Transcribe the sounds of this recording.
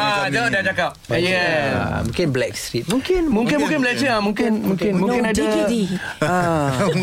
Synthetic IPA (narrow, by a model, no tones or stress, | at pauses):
adodad͡ʒakap̚jɛ̰mũŋkɪnblɛk̚st̪ɾit̪̚mũŋkɪnmũŋkɪnmuŋkɪnblɛk̚t͡ʃəamũŋkɪnmũŋkɪnmũŋkɪnadədia